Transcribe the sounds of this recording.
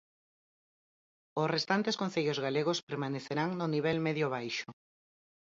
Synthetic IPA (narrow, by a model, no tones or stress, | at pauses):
ʊsrest̪ant̪eskõnθeʎozɣaleɣospeɾmaneθeɾaŋnʊniβɛlmeðjoβ̞ajʃo